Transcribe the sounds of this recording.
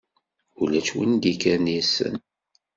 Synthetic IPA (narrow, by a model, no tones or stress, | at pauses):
ulæt͡ʃwḭnd̪ikænijsə̰n